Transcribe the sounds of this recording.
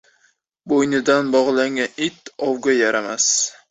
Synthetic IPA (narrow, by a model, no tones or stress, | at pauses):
bojnɪd̪anbɒʁlˠaŋɡʲanɪt̪ɒwɡʲajaɾamas